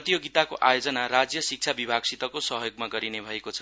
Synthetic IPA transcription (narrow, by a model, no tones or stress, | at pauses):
t̪ijoɡit̪akoʔajod͡zʌnaɾad͡zjʌsik̚t͡sʰabibʱaɡsit̪ʌkosʌɦjoɡmaɡʌɾinebʱʌekot͡sʰʌ